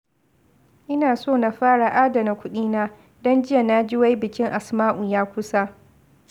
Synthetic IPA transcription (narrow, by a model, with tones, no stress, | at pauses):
ʔɪ˦naː˨soː˦˨na˨ɸaː˦ɽa˨ʔaː˦da˨na˨kʷʊ˦ɗiː˦naː˦ | dɔ˦nd͡ʒɪ˦ja˨naː˦d͡ʒɪ˦wa˦jbɪ˨kʲɪ˦ŋʔa˨smaː˦ʔu˨jaː˦kʷʊ˦sa˦